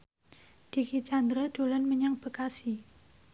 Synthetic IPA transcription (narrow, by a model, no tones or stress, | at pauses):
d̪̥ikit͡ʃand̪ɾad̪̥o̤lanməɲaŋb̥əkasi